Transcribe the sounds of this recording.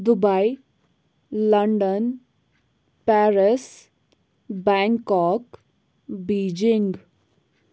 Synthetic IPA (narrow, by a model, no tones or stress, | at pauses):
d̪ʊbai | ləɳɖən | pɛːɾəs | bɛ̃ːŋkɔːk | biːd͡ʒɪŋɡ